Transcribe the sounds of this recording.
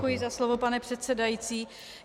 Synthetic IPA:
kujɪzaslovo̞panɛpr̥ɛt̪sɛdajit͡siː

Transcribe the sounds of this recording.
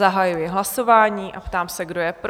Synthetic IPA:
aɦajujɪɦlaso̞vaːɲiːʔapt̪aːmsɛɡdojɛpɾ

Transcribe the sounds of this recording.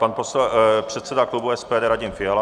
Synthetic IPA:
panposɛpr̝̥ɛt̪sɛdaklubuɛspɛːdɛːɾaɟɪmfɪjal

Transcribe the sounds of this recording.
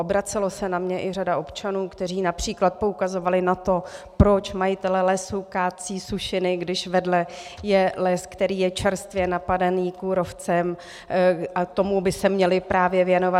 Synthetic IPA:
ʔobɾat͡sɛlo̞sɛnamɲɛʔɪradaʔo̞pt͡ʃanuːkt̪ɛriːnapr̝̥iːklat̪̚po̞ukazo̞valɪnat̪o̞pɾot͡ʃmajɪt̪ɛlɛlɛsukaːt̪̚t͡siːsuʃɪnɪɡdɪʃvɛdlɛjɛlɛskt̪ɛɾiːjɛt͡ʃɛɾst̪vjɛnapadaniːkuːɾo̞ft͡sɛm | ʔat̪o̞mubɪsɛmɲɛlɪpɾaːvjɛvjɛno̞va

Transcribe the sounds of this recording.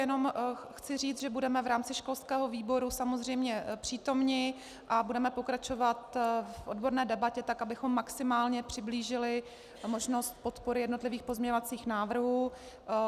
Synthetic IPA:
jɛno̞mxt͡sɪr̝iːt͡sʒɛbudɛmɛvɾaːmt͡sɪʃko̞lskɛːɦo̞viːbo̞ɾusamo̞zr̝ɛjmɲɛpr̝̥iːt̪o̞mɲɪ | ʔabudɛmɛpo̞kɾat͡ʃo̞vat̪fʔo̞dbo̞ɾnɛːdɛbacɛt̪akabɪxo̞mːaksɪmaːlɲɛpr̝̥ɪbliːʒɪlɪ | mo̞ʒno̞st̪̚po̞t̪poɾɪjɛdno̞t̪lɪviːxpozmɲɛɲovat͡siːxnaːvr̩ɦuː

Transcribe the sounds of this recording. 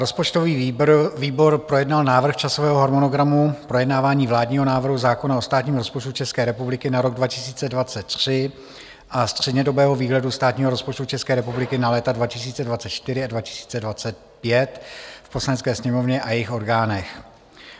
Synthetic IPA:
ɾospot͡ʃt̪oviːviːbo̞ɾpɾo̞jɛdnalnaːvr̩xt͡ʃasovɛːɦoɦoɾmonoɡɾamupɾo̞jɛdnaːvaːɲiːvlaːdɲiːɦo̞naːvr̩ɦuzaːko̞nao̞st̪aːt̪ɲiːmɾo̞spot͡ʃt̪ut͡ʃɛskɛːɾɛpublɪkɪnaɾo̞ɡdvacɪsiːt͡sɛdvat͡sɛt̪̚ːr̥ɪ | ʔast̪r̝̥ɛdɲɛdo̞bɛːɦo̞viːɦlɛdust̪aːt̪ɲiːɦoɾo̞spot͡ʃt̪ut͡ʃɛskɛːɾɛpublɪkɪnalɛːt̪advacɪs̬iːt͡sɛdvat͡sɛt̪t͡ʃt̪ɪɾɪadvacɪ̥si̥ːt͡sɛdvat͡sɛt̪̚ | pjɛt̪fposlanɛtt͡skɛːsɲɛmo̞vɲɛʔajɛjɪxo̞ɾɡaːnɛx

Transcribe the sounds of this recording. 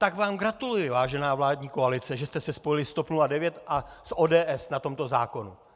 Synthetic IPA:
t̪akvaːmɡɾat̪ulujɪvaːʒɛnaːvlaːdɲiːko̞alɪt͡sɛʒɛst̪ɛsɛspo̞jɪlɪst̪opnuladɛvjɛt̪ʔa | sʔoːdɛːʔɛsnat̪o̞mt̪o̞za̰ːko̞nṵ

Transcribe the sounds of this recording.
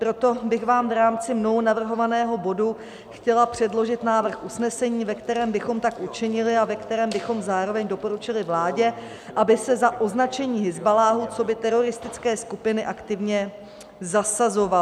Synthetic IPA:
pɾo̞t̪o̞bɪɣvaːmvɾaːmt͡sɪmno̞ɦonavr̩ɦo̞vanɛːɦo̞bo̞du | xcɛlapr̝̥ɛdlo̞ʒɪt̪naːvr̩xʔusnɛsɛɲiːvɛkt̪ɛɾɛːmbɪxo̞mt̪akʔut͡ʃɪɲɪlɪavɛkt̪ɛɾɛːmbɪxo̞mzaːɾo̞vɛɲdo̞po̞ɾut͡ʃɪlɪvlaːɟɛ | ʔabɪsɛzaʔo̞znat͡ʃɛɲiːɦɪzbalaːɦut͡so̞bɪt̪ɛɾo̞ɾɪst̪ɪt͡skɛːskupɪnɪʔakt̪ɪvɲɛ | zasazo̞va

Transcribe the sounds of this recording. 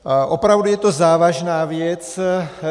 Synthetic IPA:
ʔopɾavdujɛt̪ozaːvaʒnaːvjɛt͡s

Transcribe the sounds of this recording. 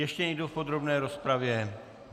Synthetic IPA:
jɛʃcɛjdufpod̪ɾobnɛːɾospɾavjɛ

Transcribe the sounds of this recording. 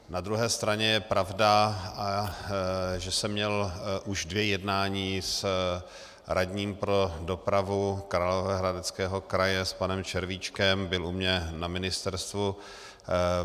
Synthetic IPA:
nad̪ɾuɦɛːst̪ɾaɲɛjɛpɾavdaa | ʒɛsɛmːɲɛlʔuʒdvjɛjɛdnaːɲiːs | ɾaɟɲiːmpɾo̞do̞pɾavukɾalovɛɦɾadɛt͡skɛːɦo̞kɾajɛspanɛmt͡ʃɛɾvit͡ʃkɛmbɪlʔumɲɛnamɪnɪst̪ɛɾst̪vu

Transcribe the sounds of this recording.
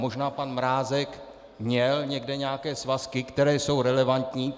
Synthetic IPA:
moʒnaːpanmɾaːzɛk | mɲɛlɲɛɡdɛɲɛakɛːsvaskɪkt̪ɛɾɛːso̞wɾɛlɛvant̪ɲiː

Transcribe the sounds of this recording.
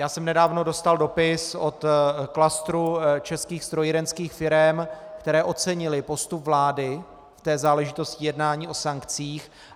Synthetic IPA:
jaːsɛmnɛdaːvno̞do̞st̪aldo̞pɪso̞t̪klast̪ɾut͡ʃɛskiːxst̪ɾojɪɾɛnskiːxfɪɾɛmkt̪ɛɾɛːʔo̞t͡sɛɲɪlɪpo̞st̪upvlaːdɪ | ft̪ɛːzaːlɛʒɪt̪o̞scɪjɛdnaːɲiːʔo̞saŋkt͡siːx

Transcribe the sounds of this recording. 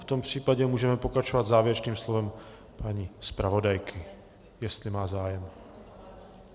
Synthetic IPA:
ft̪o̞mpr̝̥iːpaɟɛmuːʒɛmɛpo̞kɾat͡ʃovad̪zaːvjɪɾɛt͡ʃniːmslovɛm | paɲiːspɾavo̞dajkʰɪ | jɛst̪lɪmaːzaːjɛm

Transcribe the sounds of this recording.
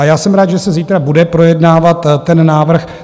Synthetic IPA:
ajaːsɛmɾaːt̪ʒɛsɛziːt̪ɾabudɛpɾo̞jɛdnaːvat̪ːɛnːaːvr̩x

